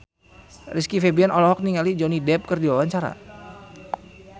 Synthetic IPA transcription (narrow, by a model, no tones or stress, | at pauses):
riskifebiɛnɔlɔɦɔk̚niŋalid͡ʒɔnidɛp̚kərdiwawaɲt͡ʃaɾa̰